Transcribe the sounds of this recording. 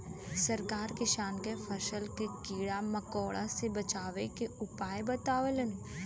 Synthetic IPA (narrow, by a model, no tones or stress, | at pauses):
səɾkaːɾkɪʃaːnkefʰəʃəlkekiːɽaməkɔːɭʔa̰sebət͡ʃaːʋekeʊpaːebət̪aːʋelənː